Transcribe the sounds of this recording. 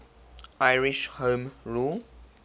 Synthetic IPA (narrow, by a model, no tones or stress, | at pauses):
ʔaɪɹɪʃhõːmɹuːl